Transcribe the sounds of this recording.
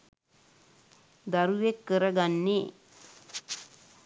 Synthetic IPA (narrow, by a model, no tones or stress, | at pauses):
d̪aɾuʋekːəɾəɡanːe